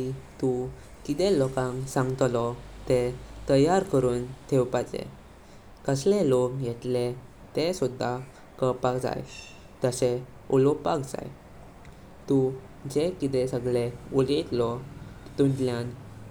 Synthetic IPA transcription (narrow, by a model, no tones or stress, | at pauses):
it̪u | kit̪ɛlɔkãŋsãŋɡt̪lɔt̪et̪əjaɾkəɾuːnt̪ʰewpat͡sḛ | kəslelokjet̪le | t̪esud̪ʱːa | kəpakd͡za̰j | t̪əse | ulɔpakd͡za̰j | t̪u | d͡ʑekit̪esəɡɭeulet̪lɔt̪ut̪ljan